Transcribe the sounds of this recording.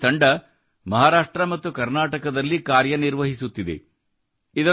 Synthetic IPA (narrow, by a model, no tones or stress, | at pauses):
t̪ʰɐɳɖɐ | mɐɦaːɾaːʂʈɾɐmɐt̪ːukɐɾnaːʈɐkɐd̪ɐlːikaːɾjɐniɾʋɐɦisut̪ːid̪e̞̰ | id̪ɐ